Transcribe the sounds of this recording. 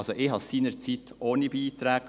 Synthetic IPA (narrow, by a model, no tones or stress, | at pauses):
soʔɪɦɑsiːnəɾt͡sit̪oːnibiːt̪ɾɛːk